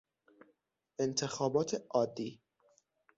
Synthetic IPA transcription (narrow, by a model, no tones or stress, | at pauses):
ʔent̪ʰe̞xɒːbɒːt̪ʰeʔɒːd̪ːiː